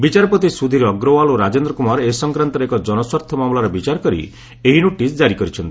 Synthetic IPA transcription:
bit͡ʃaɾɔpɔt̪isud̪ʱiɾɔɡɾɔwaloɾad͡ʒend̪ɾɔkumaɾesɔŋkɾant̪ɔɾekɔd͡ʒɔnɔswaɾt̪ʰɔmamulaɾɔbit͡ʃaɾɔkɔɾḭ | eɦinoʈisd͡ʒaɾikɔɾit͡ʃʰɔnt̪i

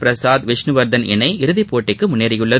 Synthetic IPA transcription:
pɪɾɐsaːd̪ʋɪʂnɯʋɐɾd̪ɐnɪ̰nɐɪɪɾɯðɪpːoːʈːɪkːɯmʊnːeːɾɐjɯɭːɐ

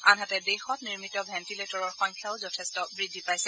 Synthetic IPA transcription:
anɦatɛdexɔtniɹmitɔbʱɛntiletɔɹɔɹxɔŋkʰjaʊzɔtʰɛstɔbɹidʱːipajsɛ

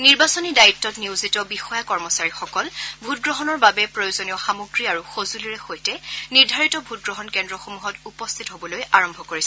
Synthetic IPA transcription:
niɹbasonidaitːɔtniuzitɔbixɔjakɔɹmɔsaɹixɔkɔlbʱutɡɹɔɦɔnɔɹbabɛpɹojozonijɔxamuɡɹiaɹuxozuliɹɛxojtɛniɹdʱaɹitɔbʱut̚ɡɹɔɦɔnkɛndɹɔxomuɦɔtupɔst̪ʰitɦobɔlojaɹɔmbʱɔkoɹisɛ

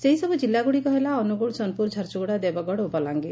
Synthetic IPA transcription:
seɦisɔbud͡ʒilːaɡuɽikɔɦelaɔnuɡuɭsɔnpuɾd͡ʒʱaɾt͡ʃɔɡɔɽad̪ebaɡɔɽubalaŋɡi

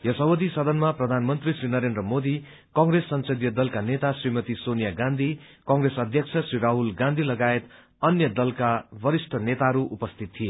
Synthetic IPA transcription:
jʌsʌbod̪isʌd̪ʱʌnmaprʌd̪ʱanmʌnt̪risrinʌɾend̪rʌmod̪i | kʌ̃ŋɡɾesːʌnsʌd̪jʌd̪ʌlkanet̪asrimʌt̪isonijaɡãnd̪ʱi | kʌ̃ŋɡresʌd̪ʱjʌk̚t͡sʰʌsriɾaɦulɡãnd̪ʱilʌɡaet̪ | ʌnjʌd̪ʌlkabʌɾisʈʰʌnet̪aʌɾuʔupʌst̪ʰit̪ʰːije

